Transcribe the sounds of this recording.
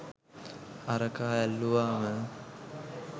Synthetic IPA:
aɾəkaːælːuʋaːmə

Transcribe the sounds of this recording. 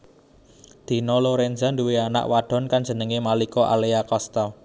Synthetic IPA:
d̪̥i̤nɔloɾend͡ʒa̤nduweana̰ʔwaɖ̥ɔ̤nkand̥d͡ʒ̥ə̤nəŋemalikɔʔa̰leakɔst̪ɔ

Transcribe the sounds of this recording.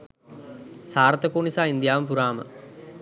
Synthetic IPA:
saːɾɐt̪ːɐkoːɳisaːind̪jaːʋɐmpuɾaːmɐ̰

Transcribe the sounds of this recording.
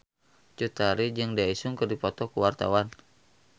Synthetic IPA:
t͡ʃut̪aɾid͡ʒɨŋdiaisuŋkərdipɔt̪ɔkuwart̪a̰wan

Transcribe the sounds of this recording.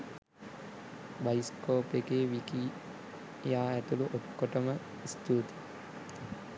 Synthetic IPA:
bajiskoːpekeːʋiki | jaːæt̪uluʔot̪koʈəmə | ist̪uːt̪i̥

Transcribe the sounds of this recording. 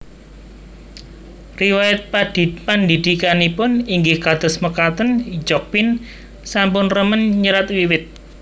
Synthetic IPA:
riwajat̪̚pad̥i̤pand̪id̪̥ikanipʊniŋɡɪhkad̪̥ɔ̤sməkat̪ənd͡ʒɔk̚win | sampʊnrəmənɲəɾat̪wiwɪt̪̚

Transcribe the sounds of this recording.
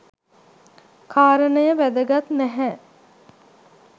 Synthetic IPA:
kʰaːɾənəjəʋæd̪əɡat̪næɦɛ

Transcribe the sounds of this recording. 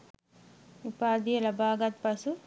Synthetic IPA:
upaːd̪ijɐlɐbaːɡɐt̪̚pɐsu

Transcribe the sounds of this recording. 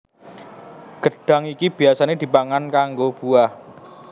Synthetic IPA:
ɡ̥əɖ̥a̤ŋikib̥i̤asaned̪̥i̤paŋankaŋɡob̥uah

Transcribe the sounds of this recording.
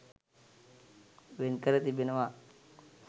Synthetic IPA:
ʋenkəɾət̪ibenəʋa

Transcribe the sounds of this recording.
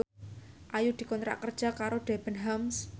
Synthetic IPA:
ʔajud̪̥i̤kɔnt̪ɾa̰ʔkərd̥ʒ̥a̤kaɾoɖ̪̥ebənɦams

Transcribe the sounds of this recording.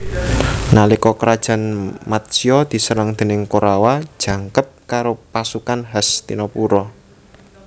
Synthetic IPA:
nalikɔkɾad̥ʒ̥ä̤nmat̪̚siɔd̪̥i̤səɾaŋd̪̥ə̤nɪŋkoɾawad̥ʒ̥ä̤ŋkəp̚kaɾopasukanɦast̪ḭnɔpuɾɔ

